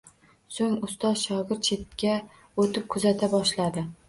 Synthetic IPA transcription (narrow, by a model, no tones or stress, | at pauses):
soŋʊst̪ɒzʃɒɡʲɪɾt̪̚t͡ʃʰet̪̚kʲa | ot̪ʰɪp̚kʰʊzat̪ʰabɒʃlad̪ɪ